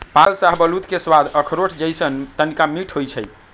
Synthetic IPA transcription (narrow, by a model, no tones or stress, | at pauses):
pãlsaɦbəlut̪keswad̪ʱəkʰɾoʈʰd͡ʒəjsənt̪ənikamiʈʰɦojt͡ʃʰəj